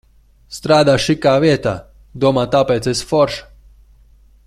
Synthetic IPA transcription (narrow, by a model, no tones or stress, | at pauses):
st̪ɾaːd̪aːʃikaːviɛt̪a̰ː | d̪uɔmaːt̪apɛːt̪sesfɔɾʃ